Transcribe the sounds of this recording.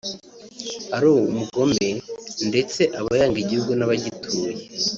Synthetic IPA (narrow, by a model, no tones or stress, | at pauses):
aɾuumuɡo̞mbe̞nde̞t͡se̞ʔaβajaːŋɡiɟihuɡunaβaɟitʰuːje